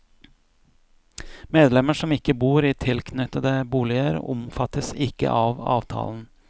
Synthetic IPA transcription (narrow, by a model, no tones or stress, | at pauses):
meːd̪lɛməʂɔmɪkːəbuːɾiːt̪ʰɪlkʰnʏt̪əd̪əbuːlɪəɾʊ̰mfɑt̪əsɪkə̰ʔɑːʋɑ̰ːʋt̪ʰɑ̰ːln̩